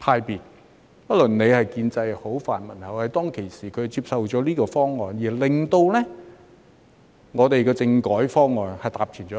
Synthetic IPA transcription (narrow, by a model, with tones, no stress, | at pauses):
pʰaː˧jpiː˨˩t̚ | pɐ˥t̚lɵ˨nne˨˧jhɐ˨jkiː˧nt͡sɐ˧jho˨˥wfa̰ː˨˩nmɐ˨˩nhɐ˨whɐ˨jt̪ɔː˥ŋkʰe˨˩jsiː˨˩kʰɵ˨˧˨t͡siː˧p̚sɐ˨wt͡ʃɔː˨˥liː˥kɔː˧fɔː˥ŋːɔː˨njiː˨˩lɪ˨ŋt̪o˧wlɛː˥ | ŋɔː˨˧t̪e˨jkɔː˧t͡sɪ˧ŋkɔː˨˥jfɔː˥ŋːɔː˨nhɐ˨jt̪aː˨˩p̚t͡ʃʰyː˨˩nt͡ʃɔː˨˦˥